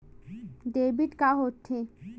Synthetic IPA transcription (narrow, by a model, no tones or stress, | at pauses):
ɖebiʈkaɦot̪ʰːe